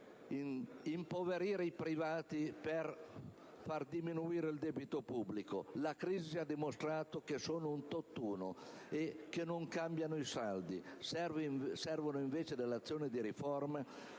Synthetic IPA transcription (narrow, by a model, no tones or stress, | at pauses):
impoveɾiːɾeipɾivaːt̪iper | fard̪iminuiːɾeild̪ɛbit̪opubːliko̰lakɾiːziad̪ːimost̪ɾaːt̪okesoːnount̪ot̪ːuːno̰ekːenoŋkambjanoisald̪isɛvsɛrvonoiɱveːt͡ʃed̪elːat̪sːjoːned̪iɾiforma